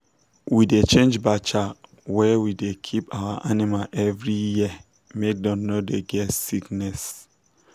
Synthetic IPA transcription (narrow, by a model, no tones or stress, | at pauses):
widet͡ʃẽnd͡ʒbat͡ʃa | wɛwidekʰipawaʔanimaʔɛvɹiji | mek̚dɔ̃nnodeɡɛtsiknɛs